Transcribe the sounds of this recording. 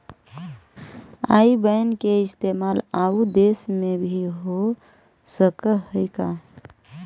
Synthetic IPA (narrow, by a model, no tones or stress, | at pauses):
a̰ibəjnkeist̪emalaud̪esmebʱiɦo | səkəhəjka